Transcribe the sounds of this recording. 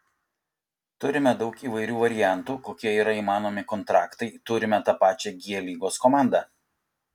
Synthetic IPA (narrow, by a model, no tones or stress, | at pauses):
t̪ʊɾʲɪmʲɛd̪ɒʊkiːʋɐɪɾʲuːʋɐɾʲɪjæˑnt̪uːkoːkʲiɛiːɾɐiːmɑːnoːmʲɪkɔnt̪ɾɑːkt̪ɐɪt̪ʊɾʲɪmʲɛt̪ɐpɑːt͡ʃʲɛɡʲiɛlʲiːɡoːskɔmɑˑnd̪ɑː